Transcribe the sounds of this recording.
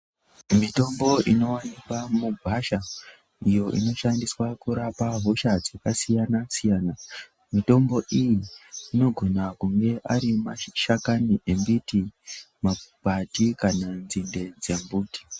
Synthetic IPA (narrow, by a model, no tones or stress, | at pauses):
mito̞mbo̞ino̞wanikwamubʱaʃa | ijo̞ʔḭno̞ʃandiswakuɾapaɦo̞ʃad͡zakasijanasijaːna | mito̞mbo̞ʔijiːno̞ɡʱo̞nakuŋɡe̞ʔaɾimaʃakaniʔembiti | mapatikananzinde̞d͡zembuːti̥